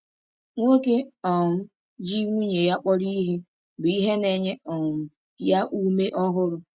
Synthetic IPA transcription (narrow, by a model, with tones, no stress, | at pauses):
ŋʷo˦ke˦ɔ˨m̩˦ | d͡ʒi˦ŋʷu˦ɲe˨ja˦k͡pɔ˦ɾi˦ɦe˦ | bʊ˨i˦ɦe˦ne˨ɲe˦ɔ˨m̩˦ | ja˦ʔu˦me˦ʔɔ˦ɦʊ˦ɾʊ˨